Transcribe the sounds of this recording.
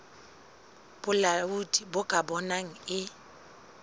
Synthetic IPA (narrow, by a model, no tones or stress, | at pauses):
b̥ʊlaudʼibʊkʼabɔnaŋ̩ɪ